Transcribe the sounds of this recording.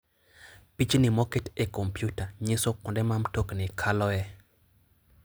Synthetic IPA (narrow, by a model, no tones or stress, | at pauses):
pit͡ʃnɪmɔkɛtekompjutaɲɪsokɔndɛmamtoknɪkʰalɔɛ